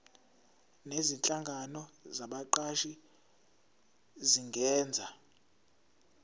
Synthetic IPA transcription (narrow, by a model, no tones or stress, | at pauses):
nezint͡ɬʼaŋɡʱanɔzaɓaǃaʃi | ziŋɡʱɛːnd͡zʱa